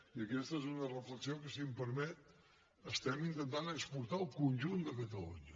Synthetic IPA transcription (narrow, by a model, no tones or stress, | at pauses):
iəkɛst̪əɛzunərəfləksiokəsimpəɾmɛt̪̚ | əst̪ɛmint̪ənt̪anəkspuɾt̪aəlˠkunʲʒund̪əkət̪əlṵɲə